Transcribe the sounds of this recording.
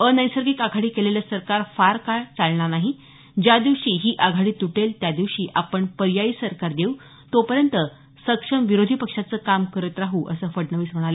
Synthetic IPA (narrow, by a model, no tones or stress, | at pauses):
ənəjsəɾɡikaɡʱaɽiːkeleljasəɾkaɾfaɾkat͡salɳanaɦi | d͡ʑad̪iʋɕiːɦiːʔaɡʱaɽiːt̪uʈelt̪jad̪iʋɕiːʔapəɳpəɾjaiːsəɾkaɾd̪eu | t̪opəɾjənt̪ə | səkʂəmʋiɾod̪ʱiːpəkʂat͡səːkamkəɾət̪ɾaɦuʔə̰səːfəɽnəʋiːsm̤əɽ̃alə